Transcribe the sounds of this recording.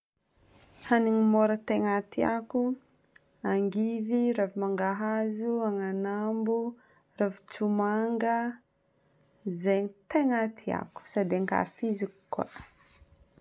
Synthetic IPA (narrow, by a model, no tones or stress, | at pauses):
haniŋimoɾət̪eŋat̪ia̰ku | aŋɡiviɾavimaŋɡaɦazuaŋanambu | ravi̥t͡sumaŋɡə | zeɲit̪eŋat̪ʰia̰ku̥sad̪eŋka̰fizikkːa̰